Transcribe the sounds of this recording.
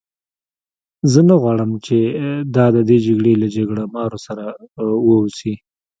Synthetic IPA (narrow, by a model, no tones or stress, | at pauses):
zənaɣwɑɽəmt͡ʃed̪ɑd̪əd̪ed͡ʒaɡɽelad͡ʒaɡɽamɑɾosaɾawəusi